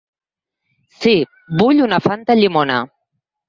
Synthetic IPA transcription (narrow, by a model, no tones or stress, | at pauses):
si | buʎunafant̪aʎimona